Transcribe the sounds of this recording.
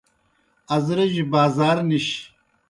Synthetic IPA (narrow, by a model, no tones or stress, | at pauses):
ɐzɾeʑibaːzaːɾniɕ